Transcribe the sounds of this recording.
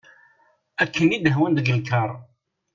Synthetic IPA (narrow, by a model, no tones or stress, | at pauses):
ækʰːənid̪əɦwənd̪ɡəlkəɾˤ